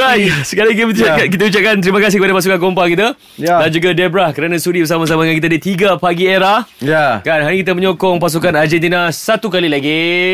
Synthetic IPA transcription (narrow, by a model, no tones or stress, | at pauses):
ajsəkalikiak̬it̪əut͡ʃap̚kant̪əɾimãkas̬ɪhkəpadapas̬ukankompakit̪a | dand͡ʒuɡadɛbɾahkəɾanãsudibəɾsamãs̬amaŋankit̪adit̪iɡapaɡieɾahjakanɦaɾikit̪̬aməɲokɔŋpas̬ukanad͡ʒɛnt̪inãsat̪ukalilaɡi